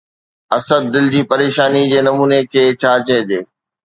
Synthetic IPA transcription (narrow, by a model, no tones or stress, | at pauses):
ɐsəd̪̚ːɪld͡ʑiːpɐɾeːʃaːnid͡ʑeːnɐmuːnekʰeːt͡ɕʰaːt͡ɕɐ̃ɦd͡ʑeː